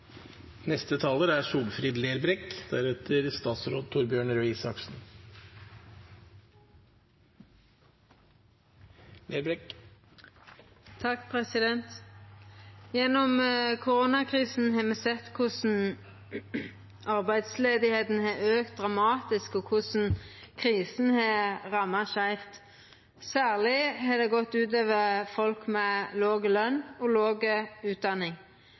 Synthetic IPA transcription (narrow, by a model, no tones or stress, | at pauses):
nɛst̪ət̪ʰɑːləɾæʂuːlfɾiːd̪leːɾbɾɛkd̪̥æɾɛt̪ʰəɾst̪ɑːt̪sɾoːd̪̚t̪ʰʊɾbjøːɳɾʉisɑksn̩ | leːɾbɾɛk | t̪ʰɑkpʰɾɛsɪd̪ɛnt̪ | jɛnːɔmkʰʊɾoːnɑkʰɾiːsn̩ɦɑmɛsɛt̪ːkʰʊsn̩ | ʔɑʁbæɪd̪sleːd̪ɪheːt̪n̩ɦɑøːk̚t̪̚d̪ʁɑmɑːt̪ɪskɔkʰʊsn̩kʰʁiːsn̩hɑʁɑmːɑʃæɪft̪ | sæːʁlɪhɑd̪ɛɡɔt̪ːʉːt̪̬øːʋəfɔlkmɛloːɡəlœnːɔloːɡəʉːt̪̚d̪ɑnːɪŋ